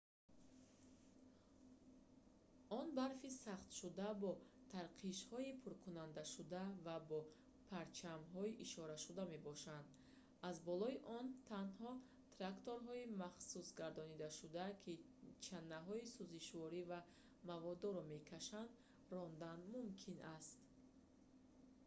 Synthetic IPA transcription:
ɔnbaɾfisaχt̪ʃud̪abɔt̪ʰaɾqʰiʃhɔipʰuɾkʰunand̪aʃud̪avabɔ | pʰaɾt͡ʃʰamɦɔiʔiʃɔɾaʃud̪ame̞bɔʃand̪ | azbɔlɔiʔɔnt̪ʰanhɔ | t̪ʰɾakt̪oɾɦɔimaχsusɡaɾd̪ɔnid̪aʃud̪akʰi | t͡ʃʰanːaɦɔisuziʃvɔɾiva | mavɔd̪ɔɾɔme̞kʰaʃand̪ | rɔnd̪anmumkʰinʔast̪

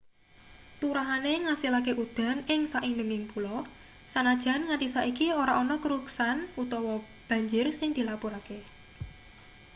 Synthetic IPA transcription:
t̪uɾaɦaneŋasilakeʔud̪̥a̤nɪŋsaʔindəŋɪŋpulɔ | sanad̥ʒ̥a̤nŋat̪isaʔikioɾaʔonɔkəɾuksanut̪ɔwɔ | b̥ä̤ɲd͡ʒʊrsɪŋd̪̥i̤lapuɾake

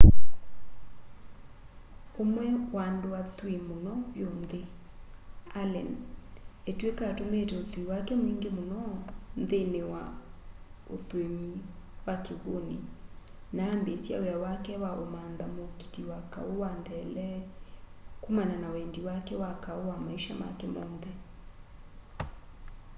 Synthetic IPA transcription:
omwɛwandowatwemonɔβjonðe | alɛ̰n | etwekatometɛoθwiwakɛmwiŋɡemonɔnðenewa | o̰θwemiwakeɣonḛ | naːmbesja̰ojawakɛwaomanðamoki̥tiwaka̰owanðɛlɛ | kumananawɛndiwakɛwakaowamaiʃama̰kɛmɔːnðɛ

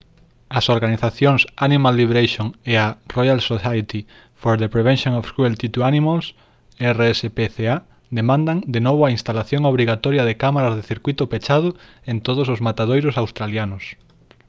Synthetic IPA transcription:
ɐsoɾɣaniθaθjoŋsanimalːiβeɾejʃoŋearojalsosajt̪i | foɾðepɾeβɛ̃nʃjoŋɔfskuelt̪it̪uanimals | ɛreɛsepeθea | d̪emãnd̪aŋd̪enoβʊaĩnst̪alaθjoŋoβ̞ɾiɣat̪ɔɾjɐðekamaɾazðeθiɾkwit̪ʊpet͡ʃað̞ʊ | ent̪oðʊs̬ʊzmat̪að̞ojɾʊsawst̪ɾaljanʊs

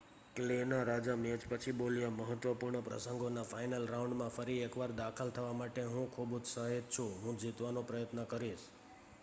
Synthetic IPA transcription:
klenaɾad͡ʒamiəd͡ʒpət͡ʃʰibolijaməɦət̪ʋəpuɾɳəpɾə̰səŋɡonafajnəlɾaũɳɖmãfəɾiekʋaɾd̪akʰəlt̪ʰəʋamaʈeɦũkʰubud͡ʒsaɦed͡ʒt͡ʃʰũɦũd͡ʒit̪ʋanopɾəjət̪nəkəɾiʃ

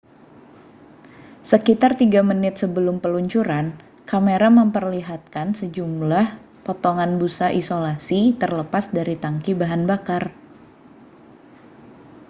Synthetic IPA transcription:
səkit̪art̪iɡamənɪt̪̚səbəlʊmpəluɲt͡ʃuɾan | kameɾaməmpərliɦat̪̚kansəd͡ʒumlah | pɔt̪ɔŋanbusaʔisolasit̪ərləpasdaɾit̪aŋkibaɦanbakar

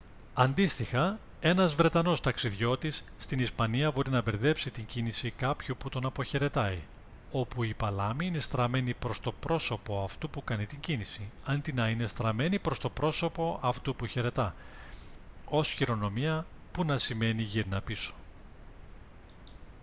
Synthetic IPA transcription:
ɐnd̪ist̪ixɐ | e̞nɐzvɾe̞t̪ɐno̞st̪ɐksiðʝo̞t̪isːt̪inispɐniɐbo̞ɾinɐbe̞ɾðe̞psit̪iɲɟinisikɐpçoput̪o̞nɐpoçe̞ɾe̞t̪ɐi | o̞puipɐlɐmiine̞st̪ɾɐme̞nipɾo̞st̪o̞pɾo̞so̞po̞ɐft̪upukɐnit̪iɲɟinisiɐnd̪inɐine̞st̪ɾɐme̞nipɾo̞st̪o̞pɾo̞so̞po̞ʔɐft̪upuçe̞ɾe̞t̪ɐ | o̞sçiɾo̞no̞miɐpunɐsime̞niʝiɾnɐpiso̥

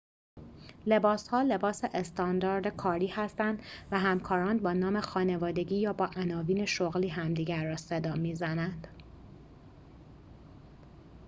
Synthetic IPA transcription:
le̞bɒːshɒːle̞bɒːseʔest̪ɒnd̪ɒːɾd̪ekʰɒːɾiːhæst̪ænd̪væɦæmkʰɒːɾɒːnbɒːnɒːme̞xɒːne̞vɒːd̪e̞ɟʲiːjɒːbɒːʔænɒːviːne̞ʃoɣliːɦæmd̪iːɟæɾːɒːsed̪ɒːmiːzænænd̪̥

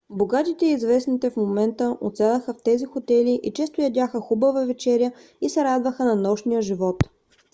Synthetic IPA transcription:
boɡat̪it̪ɛizvɛsnit̪ɛfmomɛnt̪əʔo̰t̪sɛlˠəxəft̪ɛzixot̪ɛliʔit͡ʃɛst̪ʊjɐd̪ʲaxəxubəvəvɛt͡ʃɛɾjə | isɛɾad̪vəxənɐnɔʃnijəʒivɔt̪

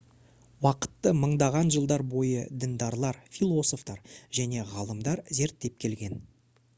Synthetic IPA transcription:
wɑqə̥t̪ːəməɴd̪ɑʁɑnʒəlˠd̪ɑɾbo̞jəd̪ɪnd̪ɑɾlˠɑɾfilˠo̞so̞ft̪ɑɾʒ̥æne̞ʁɑlˠəmd̪ɑɾze̞ɾt̪ːe̞p̚kʲʰe̞lɡʲe̞n

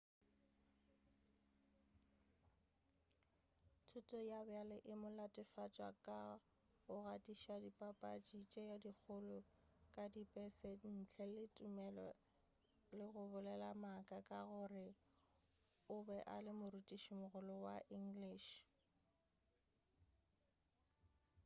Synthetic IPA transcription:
tʰutʼɔjabalɪʔɪmʊlatʼɪfat͡ʃʼwakʼa | ʊɣatʼiʃiwadipʼapʼat͡ʃʼit͡ʃʼɛjadik͡xʰʊlʊkʼadipʼɛsɛn̩t͡ɬʰɛlɪtʼʊmɛlɔ | lɪɣʊbʊlɛlamakʼakʼaɣʊrɪ | ʊbɛʔalɪmʊrutʼiʃimʊɣʊlɔwaʔiŋ̩ɡliːʃ

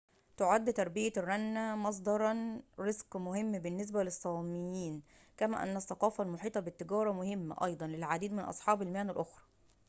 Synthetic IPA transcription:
t̪oʕad̪ːt̪ɑɾˤbɪjærːɑnːæmɑs̬ˤd̪ˤɑɾˤɑnɾezqmʊɦɪmːbɪnːes̬bælesˤːɑːmɪjiːn | kæmæ̰ːʔæ̰nːæsːɑqɑːfælmoħiːt̪ˤɑbɪt̪ːɪɡæːɾˤɑmʊɦɪmːæ̰ʔɑ̰jd̪ˤɑnlelʕad̪iːd̪mɪnʔɑ̰sˤħɑːbɪlmeænælʔoxɾˤɑ̥

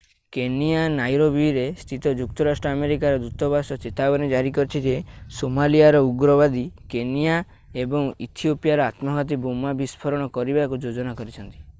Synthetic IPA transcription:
kenianajɾobiɾest̪ʰit̪ɔd͡ʒuk̚t̪ɔɾasʈɾɔːmeɾikaɾɔd̪ut̪ɔbasɔt͡ʃet̪abɔned͡ʒaɾikɔɾit͡ʃʰid͡ʒesomalijaɾɔuɡɾɔbad̪ikenija | ebɔŋit̪ʰiopijaɾɔat̪mɔɡʱat̪̬ibomabispʰɔɾɔɽ̃ɔkɔɾibakud͡ʒod͡ʒɔnakɔɾit͡ʃʰɔnt̪i̥

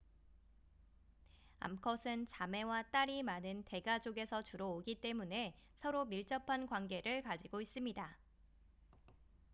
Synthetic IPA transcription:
a̰mkʰʌsʰɯnt͡ɕame̞wat͈aɾimanɯnte̞ɡad͡ʑoɡe̞sʰʌt͡ɕuɾʌoɡit͈e̞mune̞ | sʰʌɾomiɭt͡ɕ͈ʌpʰankwanɡe̞ɾɯɭkad͡ʑiɡois͈ɯmɲida

